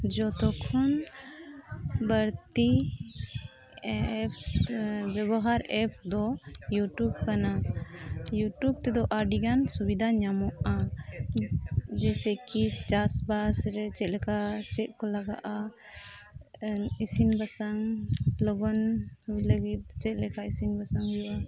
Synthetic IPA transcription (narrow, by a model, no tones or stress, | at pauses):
d͡ʒɔt̪ɔkʰɔn | bəɾt̪i | p | bɛbɔɦaɾɛpʰd̪ɔjuʈjub̚kana | juʈjub̚t̪ɛd̪ɔʔaɾɖiɡansubid̪ʱaɲamɔʔa | d͡ʒɛsɛkit͡ʃasbasɾɛt͡ʃɛt̪̚lɛkat͡ʃɛt̪̚ˀkɔlaɡa̰ʔa | isinbasaŋlɔɡɔnhujləɡit̪̚t͡ʃɛt̪̚lɛkaisinbasaŋjuwa